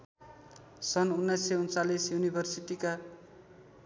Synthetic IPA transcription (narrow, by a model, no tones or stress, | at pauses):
sʌnunːʌjsːejunt͡salisjunibʱʌrsiʈika